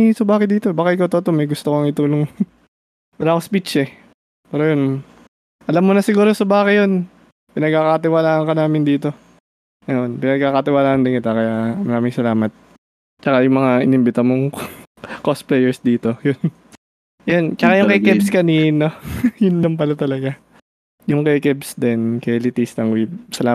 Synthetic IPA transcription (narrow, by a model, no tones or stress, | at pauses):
sɐbaːkɪd̪iːt̪obaːkɐkot̪ot̪omɐjɡʊst̪okoɐŋɪt̪uːloŋ | bɐɾaːkospit͡ʃɛ | pɛːɾojon | ʔɐlamːonɐsɪɡuːɾo̞sɐbaːkɪjon | pɪnɐɡ̚kaːkɐɐt̪ɪwalaːʔɐŋkɐnaːmɪnd̪iːt̪o̞ | nɐʔonpɪnɐɡ̚kaːkɐt̪ɪwaːlaːʔɐnd̪ɪŋɪt̪akɐjamɐɾaːmɪŋsɐlaːmɐt̪̚ | t͡ʃɐkajʊŋmɐŋaʔɪnɪmbɪt̪ɐmoŋ | kost̪̚plɛjɛɹsd̪iːt̪o̞jʊn | jont͡ʃɐkajʊŋkɐkɛbskɐniːnojʊnːɐmpɐlɐt̪ɐlɐɡa | jʊŋkɛkɛbsd̪ɛnkɐjlɪt̪ist̪ɐŋwisɐlaː